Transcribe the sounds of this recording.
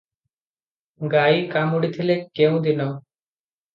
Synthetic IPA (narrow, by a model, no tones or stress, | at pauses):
ɡajkamuɽit̪ʰilekew̃d̪inɔ